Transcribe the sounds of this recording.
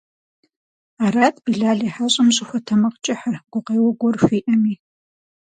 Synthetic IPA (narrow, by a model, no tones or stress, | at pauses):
aːraːtʼbiɮaːɮiːħaɕʼɪmɕʼɪxʷɔtʰɐmɐqt͡ʃʼɪħɐrɡ̥ʷʊqeːwɐɡʷɔrfʷiːʔɐmiː